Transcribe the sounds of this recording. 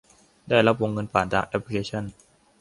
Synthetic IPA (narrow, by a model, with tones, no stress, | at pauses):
daː˥˩jla˦˥p̬̚wo˧ŋːɤ˧npaː˨˩nt̪aː˧ŋʔɛ˦˥p̚ʰli˧kʰeː˧t͡ɕʰa˥˩n